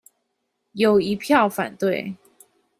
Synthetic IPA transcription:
jo˨˩ʊi˧˥pʰjɑ˥˨ʊfa̰˨˩nt̪we˥˨ɪ

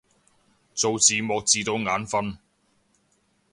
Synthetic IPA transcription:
t͡so˨wt͡siː˨mɔː˨˧k̚t͡siː˨t̪o˨˧wŋaː˨˥nfɐ˥n

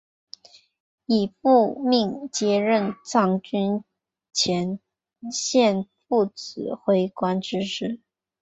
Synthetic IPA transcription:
i˨˩p̚u˥˧mi˥˩ŋt͡ɕjɛ˧˥ɻə˥˧nt͡sɑ˥˩ŋt͡ɕy˥n | t͡ɕʰjɛ˧˥n | ɕjɛ˥˧nfu˥˩t͡sɹ̩˨˩˦xwe˧˥ɪkwa˥nʈ͡ʂɻ̩˥ʂɻ̩˥˩

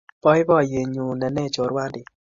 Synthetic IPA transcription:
b̥ɔ˦i˦bɔ˦˨je˨ɲu˨˧nɛ˧˦nɛ˦˨t͡ʃo˨ɾwa˦di˨

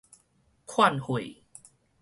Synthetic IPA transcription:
kʰwa˥˩˨nhu˨˩j

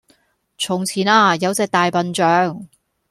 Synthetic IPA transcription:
t͡sʰʊ˨˩ŋt͡sʰiː˨˩˦naː˧jɐ˨˧wt͡sɛː˨˧k̚t̪aː˨jpɐ˨nt͡ʃœː˨˧ŋ

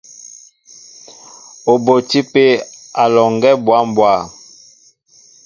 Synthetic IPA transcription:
o˨bo˨ti˦pe˦a˨lɔ˨ŋɡɛ˦bwa˦m˨bwa˦˨

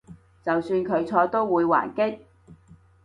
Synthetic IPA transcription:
t͡sɐ˨wsyː˧nkʰɵ˨˧ɥt͡sʰɔː˧t̪o˥wwuː˨˧jwa̰ː˨˩nkɪ˥k̚

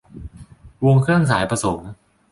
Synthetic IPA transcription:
wo˧ŋkʰɾɯ˥˩əŋs̬aː˩˦jpɾa˧so˩˦ŋ

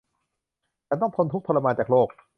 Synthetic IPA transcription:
t͡ɕaː˧nt̪ɔ˥˩ŋt̪ʰo˧nt̪ʰu˦˥k̚pʰla˧maː˧nt͡ɕaː˨˩loː˥˩k̚

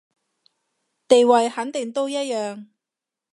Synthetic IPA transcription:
t̪e˨jwɐ˨jhɐ˨˥nt̪ɪ˨˩ŋt̪o˥wjɐ˥t̚jœː˨ŋ

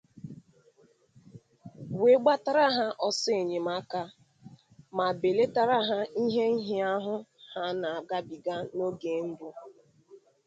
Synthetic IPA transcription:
we˦ɡ͡ba˦ta˦ɾa˦ɦa˦ʔɔ˦se˨ɲe˨ma˦ka˦ | ma˨be˨le˦ta˦ɾa˦ɦa˦i˦ɦe˦i˦ɦi˦a˦ɦʊ˦ha˦na˨a˨ɡa˦bi˨ɡa˦no˦ɡe˨˦n̩˦bʊ˦

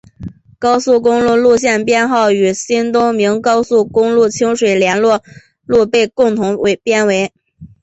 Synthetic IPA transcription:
kɑ˥ʊsu˥˩k̬ʊ˥ŋlu˥˧lu˥˧ɕjɛ˥˩npjɛ˥˧nxɑ˥˩ʊy˨˩ɕi˥nt̪ʊ˥ŋmi˧˥ŋkɑ˥ʊsu˥˩kʊ˥ŋlu˥˩t͡ɕʰi˥ŋʂwe˨˩ɪljɛ˧˥nlwɔ˥˧ | lu˥˧pe˥˧ɪkʊ˥˩ŋt̪ʰʊ˧˥ŋwe˧˥˩ɪpjɛ˥nwe˧˥ɪ

